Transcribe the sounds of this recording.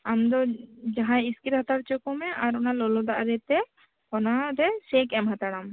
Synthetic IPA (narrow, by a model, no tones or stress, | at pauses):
amd̪ɔd͡ʒaɦãiskiɾhat̪aɽt͡ʃɔkɔmɛʔaɾɔnalɔlɔd̪aʔɾɛt̪ɛ | ɔnaɾɛsɛkɛmɦat̪aɽam